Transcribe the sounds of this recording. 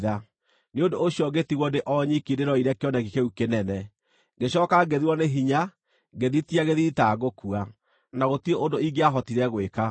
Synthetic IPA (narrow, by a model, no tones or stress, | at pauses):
ða | neondoːɕjɔɡetiɣwɔndeʔɔɲikideɾɔiɾɛkeɔnɛkikeukenɛnɛ | ɡeɕɔːkaɡeðiwɔneɦiɲa | ɡeðitiaɣeðitaɣokua | naɣotieʔondoiɡeaɦɔtiɾɛɣweka